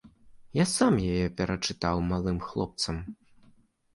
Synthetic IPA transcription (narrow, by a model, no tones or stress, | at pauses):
jasamjajɛpʲɛɾɐt͡ʂɨt̪awmalˠɨmxlˠɔ̰p̚t̪sɐm